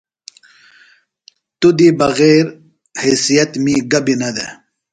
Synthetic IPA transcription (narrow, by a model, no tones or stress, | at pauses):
t̪ud̪ibɐɣeːɾ | hesijɐt̪miɡɐbinɐd̪ḛ